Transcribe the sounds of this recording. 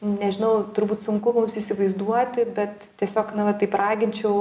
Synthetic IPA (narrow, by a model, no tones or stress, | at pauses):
nʲɛʒʲɪnɐʊt̪ʊɾbuːt̪sʊŋkʊmʊmsiːsʲɪʋɐɪzd̪uɔt̪ʲɪbʲɛt̪ | t̪ʲiɛsʲoːknɐʋɐt̪ɐɪprɑːɡʲɪnʲt͡ʃʲɛʊ